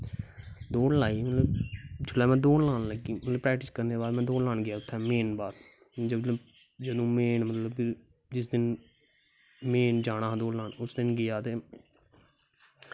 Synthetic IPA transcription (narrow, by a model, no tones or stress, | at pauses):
d̪oːɽlaːiːmət̪ləbd͡ʒʊlɛːmɛ̃ːd̪oːnlaːnləɡiːmələbpɾɛːk̚ʈɪskəɾneːbaːɾmɛ̃ːd̪oːnlãːnɡɪjaːʊt̪ʰːɛːmeːnbaːɾ | d͡ʒət̪ləb | d͡ʒəd̪õːmeːnmət̪ləb | d͡ʒɪs̬d̪ɪn | meːnd͡ʒaːɽ̃ãːɦd̪oːɽlaːnʊsd̪ɪnɡɪjaːt̪eː